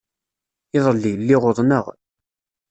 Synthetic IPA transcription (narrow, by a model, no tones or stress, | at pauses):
ɪðˤlːilːɪʁoðˤnəʁ